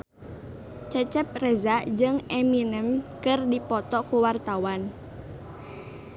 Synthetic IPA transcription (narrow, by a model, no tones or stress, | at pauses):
t͡ʃɛt͡ʃɛp̚rɛzaʔd͡ʒɨŋɛminəmkɨrdipɔt̪ɔkuwart̪awan